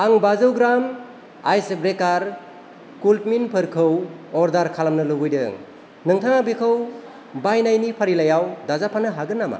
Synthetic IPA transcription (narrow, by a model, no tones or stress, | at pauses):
aŋbazɯwɡɾam | ajsebɾekaɾ | kulpminpʰɯɾkʰɯwɔɾdaɾkʰalamnɯluɡɯjdɯ̰ŋ | nɯŋtʰaŋabekʰɯw | bajnajnipʰaɾilajawdazapʰanɯɦaɡɯnːama̰